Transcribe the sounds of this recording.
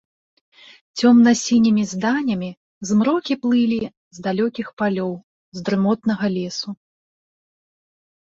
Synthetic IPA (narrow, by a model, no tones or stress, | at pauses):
t͡sʲɔmnɐsʲinʲimʲizd̪anʲɐmʲi | zmɾɔkʲiplˠɨlʲi | zd̪alʲɔkʲixpalʲɔw | zd̪ɾɨmɔt̪nɐɣɐlʲɛsu